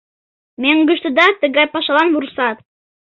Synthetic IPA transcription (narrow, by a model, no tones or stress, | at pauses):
mʲæŋɡɵ̆ʃt̪ɘ̆d̪ɑt̪ɘ̆ɡæpɑʃɑlˠɑnvuɾsɑt̪